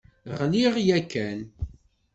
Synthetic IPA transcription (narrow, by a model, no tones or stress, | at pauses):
ʁliʁjækːæn